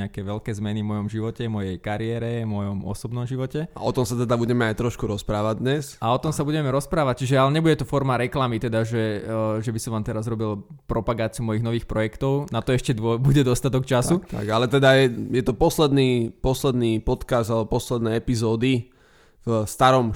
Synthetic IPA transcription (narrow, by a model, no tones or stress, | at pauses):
ɛakɛʋɛʎkɛːzmɛnivmɔjɔmʒiʋɔcɛvmɔjɛjkaɾiɛːɾɛmɔjɔmɔ̰sɔbnɔmʒiʋɔcɛa̰ɔt̪ɔmsat̪ɛd̪abuɟɛmɛajt̪ɾɔʃkuɾɔspɾaːʋaɟ̚d̪ɲɛsaɔt̪ɔmsabuɟɛmɛɾɔspɾaːʋac̚t͡ʃiʒɛalɛɲɛbuɟɛt̪ɔfɔɾmaɾɛklamit̪ɛd̪aʒɛʒɛbisɔ̃ʋaːmt̪ɛɾazɾɔbilpɾɔpaɡaːt͡siumɔjiɣnɔʋiːxpɾɔjɛkt̪ɔʊnat̪ɔɛʃcɛd̪ɔbuɟɛd̪ɔst̪at̪ɔkt͡ʃasut̪ʰa̰ɡalɛt̪ɛd̪ajɛjɛt̪ɔpɔslɛd̪niːpɔslɛd̪nipɔt̪kazd̪alɛbɔpɔslɛd̪nɛɛpizɔːd̪i | vst̪aɾɔm